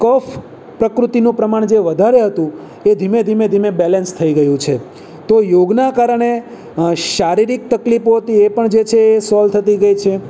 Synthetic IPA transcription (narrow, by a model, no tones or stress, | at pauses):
kɔf | pɾəkɾut̪inũpɾəmaɳ̃d͡ʒeʋəd̪ʱaɾeɦət̪ũ | ed̪ʱimed̪ʱimed̪ʱimebɛlɛnst̪ʰəiɡəjũt͡ʃʰe | t̪ojoɡnakaɾəɳe | ʃaɾiɾik̚t̪əklipoɦət̪iepəɳd͡ʒet͡ʃʰeːsɔlt̪ʰət̪iɡəjt͡ʃʰe